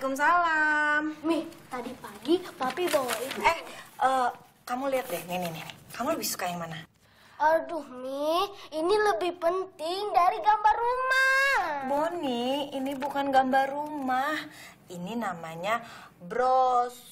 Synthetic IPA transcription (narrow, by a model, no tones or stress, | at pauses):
kums̬alammiht̪adipaɡit̪apibowit̪ɛʔə | kamuliat̪̚dɛhŋinininkamuləbihsu̥kajaŋmana | ədʊhmiiniləbɪhpənt̪ɪŋdaɾiɡambarːumaboniinibukanɡambarumah | ininamaɲabɾɔs